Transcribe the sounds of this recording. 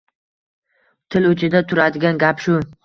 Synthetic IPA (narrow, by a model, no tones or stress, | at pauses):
t̪ʰɪlɵt͡ʃʰɪd̪at̪ʰʊɾad̪ɪɡʲanɡʲapʃʊ